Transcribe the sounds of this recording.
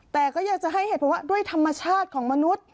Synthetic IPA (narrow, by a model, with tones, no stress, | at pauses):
t̪ɛː˨˩kɔː˥˩jaː˨˩k̚t͡ɕa˨˩ʔɦa˥˩jheː˨˧˦t̪̚pʰɔ˧˦waː˥˩du˥˩əjt̪ʰa˧mːa˧t͡ɕʰaː˥˩t̪̚kʰɔː˩˦ŋma˧nu˦˥t̪̚